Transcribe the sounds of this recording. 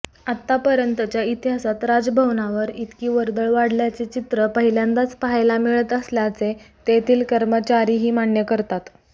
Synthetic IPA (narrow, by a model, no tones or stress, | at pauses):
at̪ːapəɾjənt̪ət͡ɕjait̪iɦasat̪ɾad͡zbʱəʋnaʋəɾit̪kiːʋəɾd̪əɭʋaɽ̤ljat͡set͡ɕit̪ɾəpəɦiljand̪at͡spaɦajlamiɭət̪əsljat͡set̪et̪ʰiːlkəɾmət͡ɕaɾiːɦiːmaɳjəkəɾt̪at̪